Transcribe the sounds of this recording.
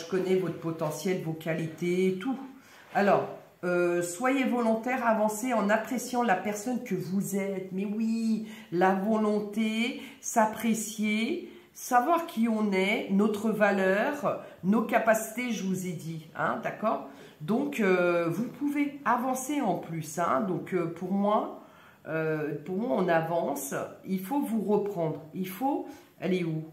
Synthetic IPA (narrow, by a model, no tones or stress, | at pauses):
ʒəkɔnɛvɔt̪χpɔt̪ɑ̃sjɛlvokʲalit̪eːt̪u | alɔːʁ | øswajevɔlɔ̃t̪ɛʁavɑ̃seɑ̃napχesjɑ̃lapɛʁsɔnkəvuzɛt̪mɛwilavɔlɔ̃t̪e | sapχesje | savwaʁkʲʰiɔ̃nɛnɔt̪χəvalœːʁnokapasi̥t̪eʒəvuzed̪iɛ̰̃d̪akɔːʁ | d̪ɔ̃køvupʰuveavɑ̃seɑ̃plysɛ̰̃d̪ɔ̃køpʰuʁmwa | øpuʁmwaɔ̃navɑ̃silfovuʁəpχɑ̃d̪ʁilfo | a̰leu